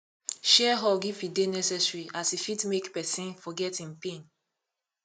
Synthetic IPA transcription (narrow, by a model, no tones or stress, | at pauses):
ʃɛɦɔɡifidenɛsɛsɹiasifitmekpɛsĩnfɔɡɛtĩnpẽn